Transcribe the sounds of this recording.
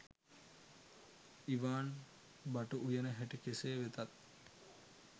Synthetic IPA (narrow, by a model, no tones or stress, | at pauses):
iʋaːn | baʈuʔujənəɦeʈikeseːʋet̪at̪̚